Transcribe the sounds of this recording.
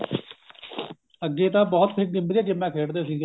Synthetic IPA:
əɡːeːt̪ãːbɔːt̪pʰɪk̚ɡɪmbɾjaːkɪmːɛ̃ːkʰeːɽd̪eːsiːɡe

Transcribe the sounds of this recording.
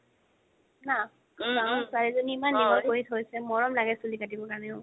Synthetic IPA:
na | asaɹɛzoniːmanːibaoɹitʰɦojsɛmɔɹɔmlaɡɛsulikat̬ibɔkanɛʊ̃

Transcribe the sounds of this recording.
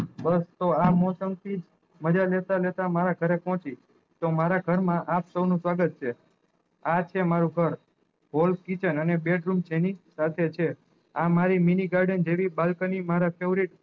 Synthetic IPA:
bəst̪oamɔsəmt̪ʰid͡ʒ | məd͡ʒalet̪alet̪amaɾaɡʱəɾepɔ̃t͡ʃi | t̪omaɾaɡʱəɾmãʔapsəwnũsʋaɡət̪̚t͡ʃʰe | at͡ʃʰemaɾuɡʱəɾ | ɦolkit͡ʃənənebeɖɾumt͡ʃʰenisat̪ʰet͡ʃʰe | amaɾiminiɡaɾɖənd͡ʒeʋibalkənimaɾapʰeʋɾiʈ

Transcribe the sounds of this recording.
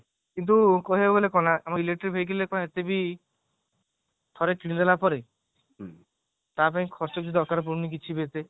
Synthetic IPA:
kint̪̬ukɔɦeboɡolekɔnaʔamailek̚ʈɔɾibʱejkilekɔnaet̪ebi | t̪ʰɔɾekĩd̪elapɔɾe | t̪apaĩkʰɔɾt͡ʃɔkk̪id̪ɔɾkaɾɔp̬uɾnik̬it͡ʃʰibet̪e

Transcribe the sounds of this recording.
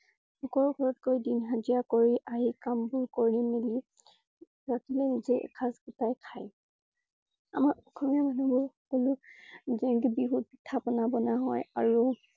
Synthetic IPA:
xɔkɔɹuɡʱɔɹɔtkojdinɦazijakoɹiʔaɦikambʊɹkoɹimeli | ɹakʰilɛnizɛ̰kʰaskutajkʰaj | a̰maɹɔkʰɔmiamanubʊɹxɔkɔlʊzɛntubiɦut̚tʰːapɔnabɔnaɦɔjaɹu

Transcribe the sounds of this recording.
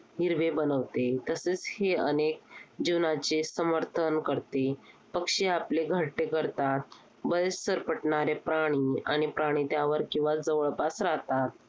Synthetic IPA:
ɦiɾʋebənəʋt̪et̪əset͡sheənek̚d͡ʑinat͡ɕesəməɾt̪ʰənkəɾt̪epəkʂeapleɡʱəʈːekəɾt̪at̪̚ | bəjssəɾpəʈɳaɾepɾaɽ̃iaɽ̃ipɾaɽ̃it̪jaʋəɾkĩw̃ʋad͡zəʋəɭpasɾaɦt̪at̪̚

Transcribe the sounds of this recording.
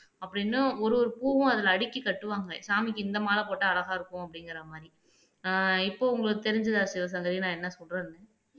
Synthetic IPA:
ɐpːɽɪnːɯɔɾɯɔɾɯpuːʋʊ̃ɐðɐlɐːɽɪkːɯkɐʈːɯʋaːŋɡɐsaːmɪkːɯɪnd̪ɐmaːlɐpoːʈːɐːlɐɣaːɪɾɯkːʊ̃ɐpːɽɪŋɡɪɾɐmaːd̪ɾi | ɪpːoːʊŋɡɐɭɯt̪ɛɾɪɲd͡ʒɐðasɪʋɐs̬ɐŋɡɐɾinãːɛnːɐsɔlɾɐːɾnɛ

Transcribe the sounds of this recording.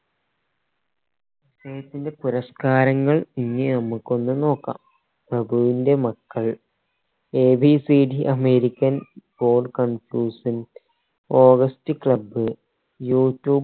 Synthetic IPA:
isɐjɐt̪ːinde̞puɾɐskaːɾɐŋːɐɭiŋːinɐmːukːo̞nːuno̞ːkːa̰ːm | prɐbʱuʋinde̞mɐkːɐɭ | eːbisiɖiʔɐme̞ːɾikʲːɐnbo̞ːɖkɐnfjuːsɐn | o̞ːɡɐstɨkɭɐbɨ | juːtːjuː

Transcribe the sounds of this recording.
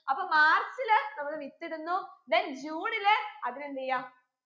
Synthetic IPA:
ɐpːɐːmaːrt͡ɕːilenɐmɐkːɨʋit̪ːiɽunːud̪end͡ʑuːɳileɐðinendijaː

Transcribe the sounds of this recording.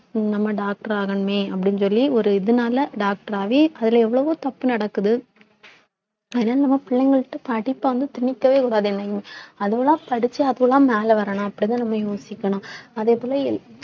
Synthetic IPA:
nɐmːɐɖaːk̚ʈɐɾaːɣɐnɯmeːɐpːɐɽɪnsɔlːiɔɾɯɪðɯnaːlɐɖaːk̚ʈɐɾaːʋeːɐðɪlɐɛʋːɐɭɐʋoːt̪ɐpːɯnɐɽɐkːɯðɯ | ɐðenaːlɐnɐmːɐpɪɭːɛŋɡɐɭʈːɯpɐɽɪpːaʋɐnd̪ɯt̪ɪɳɪkːɐʋeːkuːɽaːðeɛnːɐjɯmɐɐðɯʋɐlãːpɐɽɯt͡ʃːɯɐðɯʋɐlãːmeːlɐʋɐɾɐɳʊ̃ɐpːɐɽɪnːãnɐmːɐjoːsɪkːɐɳʊ̃ɐðeːpoːlɐɪl

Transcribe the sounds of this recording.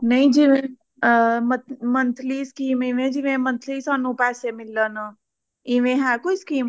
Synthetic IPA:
nɐĩd͡ʒiẽ | mmənt̪ʰliːskimiʋẽd͡ʒiʋẽmənt̪ʰliːsɔnũpɛːsemɪlːəna | iʋẽɦɛ̃kʊskiːm

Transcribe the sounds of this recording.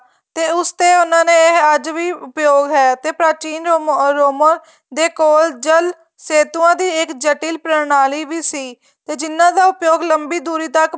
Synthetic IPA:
t̪eːʊst̪eːʊnãːnẽːɦəd͡ʒʋiːʊpjoːɡɦɛːt̪eːpɾaːt͡ʃiːnoɾoːməɾ | d̪eːkoːld͡ʒəl | seːt̪uãːd̪iːɪkd͡ʒəʈiːlpɾənaːliːʋiːsiː | t̪eːd͡ʒɪnːãːd̪aːʊpjoːɡləmbiːd̪uːɾiːt̪ək

